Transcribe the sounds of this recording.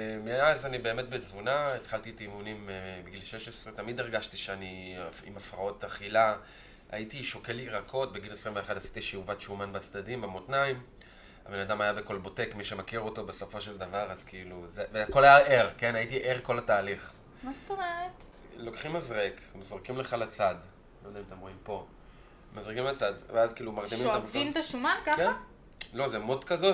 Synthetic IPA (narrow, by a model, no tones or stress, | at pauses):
meazanibe̞ːme̞t̚bezvunaet̪χalt̪itimunimbiɡilʃeʃesʁet̪amid̪eʁɡaʃtiʃeaniḭmafʁao̞taχila | a̰itiʃo̞ke̞liʁakʰo̞t̚beɡinesʁimveχadasi̥tiʃiuvatʃumanbat͡sd̪adimbamotnaim | a̰be̞nad̪amajabeko̞lbo̞te̞kmiʃe̞makiʁo̞to̞besofo̞ʃe̞ld̪avaʁazkiiluzeveako̞lajaʔe̞ʁke̞naitiʔeʁko̞lataːliχ | mast̪omeʁet̪ | lo̞kχimazʁekmezʁekimleχalat͡sad | lod̪aimat̪emʁo̞impo̞ | mazʁikimat͡sad̪veazkiiːlumaʁdimimaamzint̪aʃumankaχka | lo̞zemotkazo̞